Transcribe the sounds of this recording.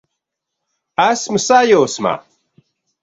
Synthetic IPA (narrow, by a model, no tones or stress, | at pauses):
æsmusajoːsma̰